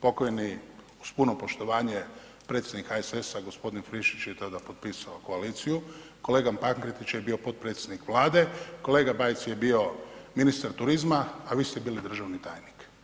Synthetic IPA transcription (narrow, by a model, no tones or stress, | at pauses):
po̞kojeni | uspunopo̞ʃt̪o̞ʋaːɲe̞ | pɾet̪sjed̪nikaesesaɡospo̞d̪infɾiʃit͡ʃjet̪od̪apo̞t̪̚pisaoko̞aliːt̪sijuko̞le̞ːɡampaŋkɾet̪it͡ʃjebiːo̞po̞t̪̚pɾet̪sʲjed̪nikʋlˠaːd̪e̞ko̞le̞ːɡabajt̪sjebio̞minist̪aɾt̪uɾizmaːʋiːst̪ebiːlid̪r̩ʒaʋnit̪a̰ːjnik